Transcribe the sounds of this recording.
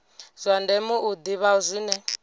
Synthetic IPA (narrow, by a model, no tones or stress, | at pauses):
z̥ʷandɛmuʔud̪iβauzʷinɛ